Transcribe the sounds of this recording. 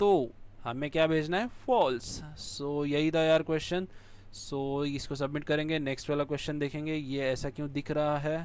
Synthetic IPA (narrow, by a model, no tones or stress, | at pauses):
t̪oːhɐmẽkjaːbʱeːd͡ʒnaɦɛfɔːlssoːjɐɦit̪ajaːɾkwɛːst͡ʃən | soːɪskos̬ɐbmɪʈ̚kɐɾẽːŋɡeneːksʈɛːlak̬wɛːst͡ʃənd̪eːkʰẽːŋɡejeɛːsakjõːd̪ɪkʰɾɐɦaɦɛː